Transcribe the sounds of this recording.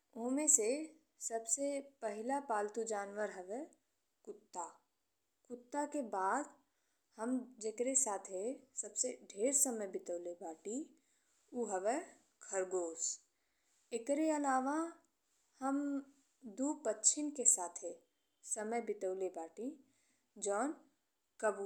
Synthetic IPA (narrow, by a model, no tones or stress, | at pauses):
oːmẽse | səbsepəɦɪlapaːlt̪ud͡ʒaːnʋəɾɦɐʋɛ | kʊt̪ːa | kʊt̪ːakebaːd̪ | həmd͡ʒekɾesaːt̪ʰɦesɐbseɖʱeːɾsəməjbɪt̪əʊlebaːʈi | uːɦəʋɛ | kʰəɾɡoːs | ekɾeənaːʋã | həm | d̪uːpətːt͡ʃʰɪnkesaːt̪ʰɦe | səməjbɪt̪əʊlebaːʈi | d͡ʒɔːn | kəbu